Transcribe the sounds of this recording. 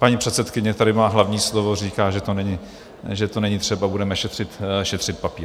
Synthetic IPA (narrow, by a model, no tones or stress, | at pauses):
paɲipr̝̥ɛt̪sɛt̪kɪɲɛt̪adɪmaːɦlavɲiːslovo̞riːkaːʒɛt̪onɛɲɪ | ʒɛt̪onɛɲit̪r̝̥ɛbabudɛmɛʃɛt̪r̝̥ɪt̪ʃɛt̪r̝̥ɪt̪̚papiː